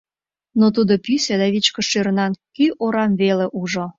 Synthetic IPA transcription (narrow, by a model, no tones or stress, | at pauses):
not̪̬ud̪opysʲed̪ɑβit͡ɕkəʃøɾnɑnkyʔoɾɑmβeleʔuʒo